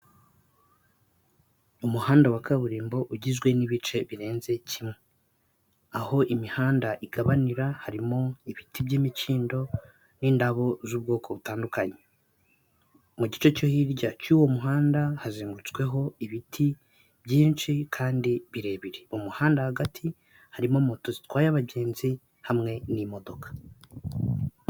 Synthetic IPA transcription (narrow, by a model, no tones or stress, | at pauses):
umuhaːndawakaβuɾiːmbo̞ʔuɟizɡwe̞niβit͡ʃe̞βiɾe̞ːnze̞cʰimŋwe | aho̞ʔimihaːndaʔiɡaβaniɾahaɾimo̞iβitibɟiːmiciːndo̞ | niːndaβo̞zuːbɡo̞ːkʰo̞βutaːndukaɲe | muɟit͡ʃo̞co̞hiɾɟacuːwo̞muɦaːndahaziːŋɡuɾut͡skwe̞ɦo̞iβitʰi | bɟiːnt͡ʃikʰaːndiβiɾe̞ːβiɾeumuhaːndahaɡatʰi | haɾimo̞mo̞to̞zitwaːjaβaɟe̞ːnzi | hamŋe̞nimo̞do̞kḁ